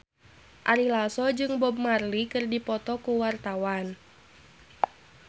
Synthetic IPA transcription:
ʔaɾilasɔd͡ʒɨŋbɔbmarlikɨrdipɔt̪ɔkuwart̪awan

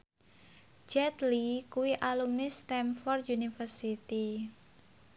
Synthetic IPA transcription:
d͡ʒɛt̪likuwiʔalumnist̪ɛmfɔrt̪junifərsit̪i

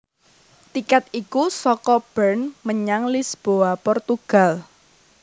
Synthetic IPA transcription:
t̪ikat̪̚ikusɔkɔb̥ɛrnməɲaŋlisb̥oapɔrt̪uɡ̥a̤l

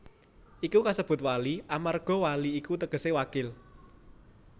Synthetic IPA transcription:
ʔikukasəb̥ʊ̤t̪̚waliʔamarɡ̥ɔ̤waliːkut̪əɡ̥ə̤sewakɪl

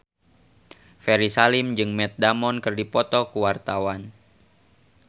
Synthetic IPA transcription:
fɛɾisalimd͡ʒɨŋmɛt̪̚damɔnkɨrdipɔt̪ɔkuwart̪awan

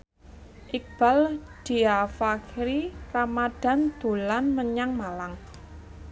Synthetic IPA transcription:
ʔik̚b̥a̤ld̥iafakɾiramad̥a̤nd̪̥o̤lanməɲaŋmalaŋ

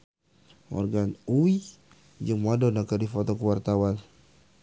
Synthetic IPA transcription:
ɔ̰rɡanuwi | d͡ʒəmadɔnakadifɔt̪ɔkuwart̪awan

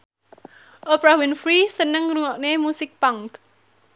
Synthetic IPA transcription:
ʔopɾahwɪnfɾisənəŋruŋɔʔnemusɪk̚paŋk

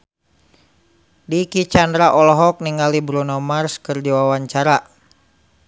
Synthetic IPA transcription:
dikit͡ʃandɾaʔɔlɔɦɔk̚niŋalibɾunɔmarskərdiwawaɲt͡ʃaɾa

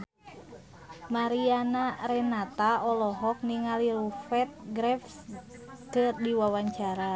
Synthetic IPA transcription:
maɾianaɾɛnat̪aɔlɔɦɔk̚niŋaliɾufɛt̪̚ɡɾɛf | kɨrdiwawaɲt͡ʃaɾa

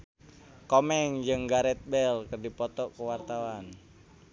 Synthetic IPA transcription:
kɔmɛŋd͡ʒɨŋɡaɾɛt̪̚bɛlkərdipɔt̪ɔkuwart̪awan

